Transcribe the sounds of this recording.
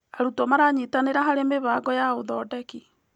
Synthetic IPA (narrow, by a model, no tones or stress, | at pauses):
aɾutɔmaɾaɲitaneɾaɦaɾemeβaɡɔjaoðɔdɛki